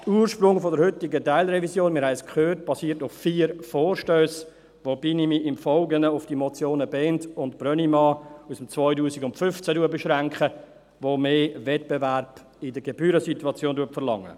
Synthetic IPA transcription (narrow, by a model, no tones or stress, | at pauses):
tuːɾʃpɾʊŋfɔdəɾhʏtɪɡətaɪlɾɛvisjoːnmɪɾɦhɛɪskʰχøːrt̚b̥ɑsiːəɾtʊffiːɾfoːɾʃtøːs | ʋob̥inimiʔɪmfɔlɡənəʊfd̥imɔt͡sjoːnəbɛːntʊntb̥rœnimɑːusəmt͡svɔʏtuːsiɡʊntfʏnft͡sæduːəbɛʃɾaŋkχə | vomeːvɛt̚b̥evɛæɾb̥ | ɪdəɡeb̥yːɾəsituɑt͡sjoːnduətfəlɑ̰ŋːə̰